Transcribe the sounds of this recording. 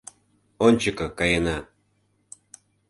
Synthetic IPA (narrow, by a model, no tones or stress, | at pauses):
onʲt͡ɕəkɤ̆kɑjənɑ